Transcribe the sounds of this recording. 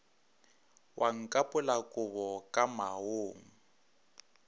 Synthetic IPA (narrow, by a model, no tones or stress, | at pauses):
wʔaŋ̩kʼapʼʊlakʼʊβɔkʼamaoːŋ̩